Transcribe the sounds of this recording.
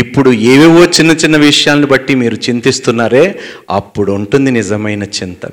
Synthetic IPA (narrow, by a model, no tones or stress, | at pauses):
ipːuɽueːʋiʋot͡ʃːinːɐt͡ʃinːɐʋiʂɐjaːlnibɐʈːimiːɾut͡ʃint̪ist̪unːaːɾe̞ːɐ̰pːuɽuuɳʈund̪inizɐmɐjnɐt͡ʃint̪ɐ̰